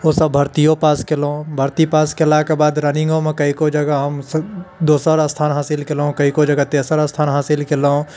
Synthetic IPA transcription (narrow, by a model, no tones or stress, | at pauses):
osəbʱɐɾt̪ijõpaːskeloõbʱəɾt̪ipaːskelakebaːd̪ɾənɪ̃ŋɡomẽkɐikod͡ʒɐɡaɦɐmsd̪oːsəɾəst̪ʰaːnɦaːsɪlkelõkɐikod͡ʒəɡat̪eːsəɾəst̪ʰaːnɦaːsɪlkɪloõ